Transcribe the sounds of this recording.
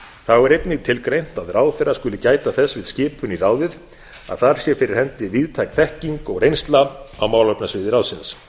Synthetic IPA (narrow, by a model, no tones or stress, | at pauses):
θawɛɾejt̪nɪɣt̪ʰɪlkɾejn̥t̪aðraːwθɛrːaskʏlɪcaːjt̪aθɛsːvɪðscɪːpʰʏniraːwðɪð | a̰ðθaɾ̥sjɛfɪɾɪɾ̥hɛnt̪ɪviðt̪ʰajkθɛhciŋkɔɣrejnst̪laawmaːwlœpnasvɪːðɪɾawsɪns